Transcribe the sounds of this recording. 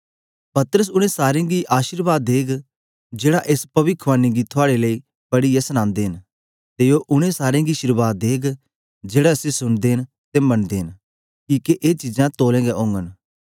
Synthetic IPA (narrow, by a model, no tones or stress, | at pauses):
pɐt̪əɾəs̬ʊɽ̃ẽsaːɾẽɡiʔaːʃɪɾbaːd̪ːeːɡ | d͡ʒeːɽaʔeːspɐʋɪkʰʋaːnːiɡit̪ʰʊaːɽeləi | bɐɽijɛsəñãːnd̪eːɦɪn | t̪ejoʔʊɽ̃ẽsaːɾẽɡiʃɪɾbaːd̪̚eːɡ | d͡ʒeːɽasesʊnd̪eːn | t̪emɐnd̪eːɦɪn | kiːkeʔeːt͡ʃɪd͡ʒãt̪oːlɛ̃ːɡɛʔõːŋɡən